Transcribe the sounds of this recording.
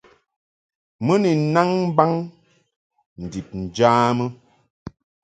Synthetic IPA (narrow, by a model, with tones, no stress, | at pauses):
mə˦ni˨na˦ŋm˦ba˦ŋ | n̩˨di˨p̚n̩˨d͡ʒaː˦mə˦